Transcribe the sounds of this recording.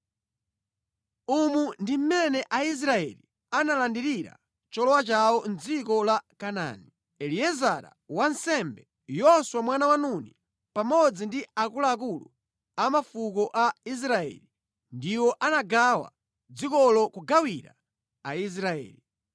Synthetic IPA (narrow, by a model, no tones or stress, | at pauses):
umundim̩mɛnɛʔais̬ɾaɛ̰li | analandiɾiɾa̰ | t͡ʃɔlɔwat͡ʃawɔnd͡zikɔlakana̰ːni | ɛliɛzaɾa̰ | wansɛmbɛ | jɔswamwanawanuni | pamɔd͡zindiakulaːk̬ulṵ | amafukɔʔais̬ɾaɛ̰li | ndiwɔʔanaɡawa̰ | d͡zikɔlɔkuɡawiɾa̰ | ais̬ɾaɛ̰ːli